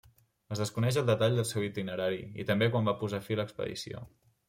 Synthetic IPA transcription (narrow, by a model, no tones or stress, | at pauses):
əzðəskunɛʃ̬əlˠd̪ət̪aʎd̪əlˠsewit̪inəɾaɾiḭt̪əmbekwambapuzafiləkspə̰ðḭsio̰